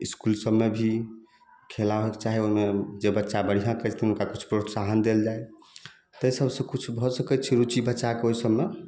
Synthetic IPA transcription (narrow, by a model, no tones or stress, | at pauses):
iskulsəbmebʱi | kʰelaɦeket͡ʃaɦioimed͡ʒebətːʃabəɽ̤ijãkət͡ʃʰt̪ʰiunkakut͡ʃʰpɾot̪saɦənd̪eld͡ʒae | t̪əsəbsə̃kut͡ʃʰbʱɔsəkɛt͡ʃʰiɾut͡ʃibətːʃakeoisəbme